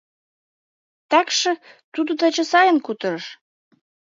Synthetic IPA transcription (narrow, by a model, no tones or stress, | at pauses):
t̪ækʃə̆ | t̪ud̪ŏt̪ə̆t͡ɕə̆sɑjə̆nkut̪ɤ̆ɾʃ